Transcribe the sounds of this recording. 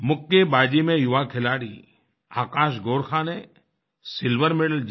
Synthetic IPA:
mʊkːebaːd͡ʒimẽjʊʋakʰɪlaːɽḭ | aːkaːʃ̬ɡoːɾkʰãːne | sɪlʋəɾmeɽəld͡ʒ

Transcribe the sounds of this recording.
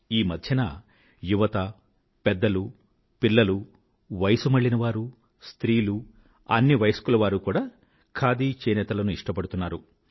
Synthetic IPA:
iːmɐd̪ʱjɐnɐ̰ | juʋɐt̪ɐ | pɛd̪ːɐlu | piɭːɐlu | ʋɐjɐsumɐɭːinɐʋaːɾu | st̪ɾiːlu | ɐnːiʋɐjsɐ̥kulɐʋaːɾukuːɽaː | kʰaːd̪iːt͡ʃɛːnɛːt̪ɐlɐnuiʂʈɐpɐɽut̪unːaːɾu

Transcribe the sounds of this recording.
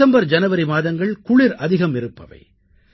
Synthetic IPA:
ɐmbɐɾd͡ʒɐnɐʋɐɾɪmaːðɐŋɡɐɭkʊɭɪɾɐðɪɣɐmɪɾɯpːɐ̰ʋɐ̰ɪ

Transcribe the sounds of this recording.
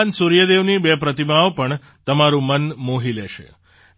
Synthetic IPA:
nsuɾjəd̪eʋnibɛpɾət̪imaopəɳ | t̪əmaɾũmənmoɦilɛʃḛ

